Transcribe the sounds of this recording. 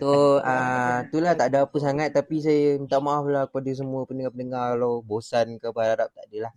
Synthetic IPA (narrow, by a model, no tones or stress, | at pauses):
t̪oət̪ulaht̪aʔdaapəsaŋat̪ːapis̬ajəət̪aʔmaaflakə̥padas̬əmuəpənəŋapəndəŋarkalawbosankabaaɾaɾap̚t̪aʔdalah